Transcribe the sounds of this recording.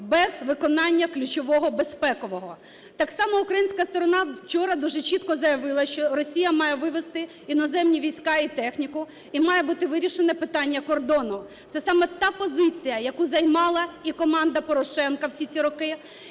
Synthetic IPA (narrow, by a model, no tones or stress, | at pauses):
bɛzʋɪkɔnɑnʲːɐklʲʊt͡ʃɔʋɔɦɔbespɛkɔʋɔɦɔ | t̪ɑksɑmɔʊkɾɐjinʲsʲkɐst̪ɔɾɔnɑ̥t͡ʃɔɾɐd̪uʒɛt͡ʃit̪kɔzɐjɐʋɪlˠɐʃt͡ʃɔrɔsʲijɐmɑjɛʋɪʋest̪ɪ | inɔzɛmnʲiʋʲijsʲkɑit̪ɛxnʲikʊ | imɑjɛbut̪ɪʋɪɾʲiʃenɛpɪt̪ɑnʲːɐkɔrd̪ɔnɔ | t̪sɛsɑmɛt̪ɑpɔzɪt͡sʲijɐjɐkuzɐjmɑlˠɐikɔmɑnd̪ɐpɔɾɔʃɛnkɐwsʲit͡sʲiɾɔkɪ